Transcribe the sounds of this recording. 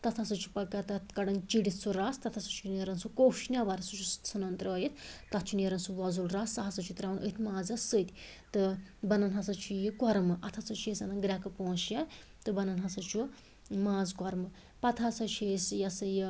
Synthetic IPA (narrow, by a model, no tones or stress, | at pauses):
t̪ɐt̪ʰasɐt͡ʃʰu̥pɐkat̪ɐt̪kɐɖɐnt͡ʃiɽit̪ʰt͡suɾast̪ɐt̪ʰasɐt͡ʃʰuneɾɐnsukoːfʰʃnʲaʋɐɾʲɐsut͡ʃʰussʰɨnɐnt̪ɾəːjit̪ʰt̪ɐt̪ʰt͡ʃʰuneɾɐnsuʋɐzulɾasaɦɐsɨt͡ʃʰut̪ɾaːʋɐnʔə̰t̪ʰmaːzɐsɨt̪ʲt̪ɨbɐnɐnɦɐsɐt͡ʃʰujikɔɾmɨʔɐt̪ʰasɐt͡ʃʰesɐnɐnɡɾʲakɨpõːsja | t̪ɨbɐnɐnɦɐsɐt͡ʃʰu | mãːzkwɔɾmɨ | pɐt̪ʰasɐt͡ʃʰeːsjɐsɨji